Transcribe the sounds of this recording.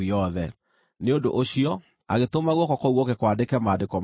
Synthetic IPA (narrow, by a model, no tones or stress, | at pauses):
iɔðɛ | neondo̰ʔoɕiɔ | a̰ɣetomaɣwɔkɔkouɣɔkekwandekɛmaːndekɔm